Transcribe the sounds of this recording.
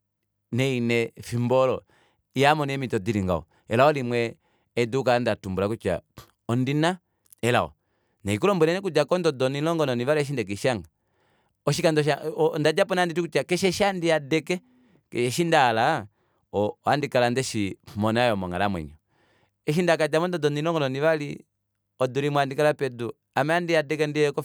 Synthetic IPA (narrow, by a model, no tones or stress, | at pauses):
nɛinɛfimbɔlɔ | ijamɔniɛmitɔdiɾiŋɡa̰ɔ̰ | ɛlaɔlimwɛː | dukandatumbulakut͡ʃa̰ | ɔndina | ɛla̰ɔ̰ | naikulɔmbuɾɛnɛk̬ud͡ʒakɔndɔdɔninlɔŋɡɔnɔniβalɔɛʃindɛk̬ɛʃaŋɡa | ɔʃikandɔʃ̬andad͡ʒapɔnanditukut͡ʃakɛʃɛʃandiadɛkɛ | kɛɛʃindaːla | ɔandikalandɛʃimɔnajɔmɔŋa̰lamwɛ̰ɲɔ | ɛʃ̬indakad͡ʒamɔndɔdɔninɔŋɡɔnɔniβali | ɔduɾimwandikalapɛdu | amaandiadɛkɛndiɛkɔ